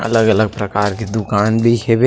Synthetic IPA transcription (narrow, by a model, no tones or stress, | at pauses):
ɐ̰ləɡələɡ̚pɾɐkaːɾked̪ʊkaːnbʱikebe